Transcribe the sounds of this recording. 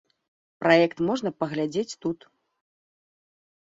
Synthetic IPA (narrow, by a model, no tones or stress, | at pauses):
pɾajɛkt̪mɔʐnɐpɐɣlʲad͡zʲet͡sʲt̪ut̪